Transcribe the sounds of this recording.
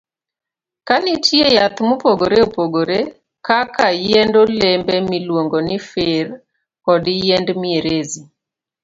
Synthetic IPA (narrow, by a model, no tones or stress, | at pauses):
kanɪtjejat̪mʊpoɡoɾeopoɡoɾe | kakajendolembɛmilwoŋɡonɪfɪr | kɔdɪjendmieɾezi